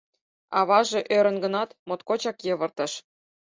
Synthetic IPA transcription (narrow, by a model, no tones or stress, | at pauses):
ɑβɑʒĕʔøɾə̆nɡɤ̆nɑt̪mot̪kot͡ɕɑkjɤ̆βɤ̆rt̪ɤ̆ʃ